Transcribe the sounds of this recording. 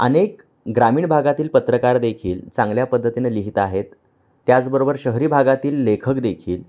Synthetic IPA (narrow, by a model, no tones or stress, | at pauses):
ə̰nek | ɡɾamiːɳbʱaɡat̪iːlpət̪ɾəkaɾd̪ekʰiːlt͡sãŋɡljapəd̪ʱːət̪ineliɦit̪aɦet̪ː | jat͡sbəɾobəɾɕəɦɾiːbʱaɡat̪iːlːekʰəkd̪ekʰiːl